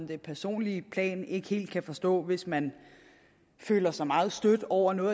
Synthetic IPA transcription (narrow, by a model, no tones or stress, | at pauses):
md̥e̝pʰæɐso̝̰ːnlipʰlɛ̰ːne̝ɡ̥ə̥he̝̰ːld̥̚kʰæfɒ̽sd̥ɔ̰̽ːʋe̝smæn | fø̰ːlɐsɑ̈ɪmɑ̈ːð̩ˠsd̥ød̥ɒʊ̰ɐnɔ̽ː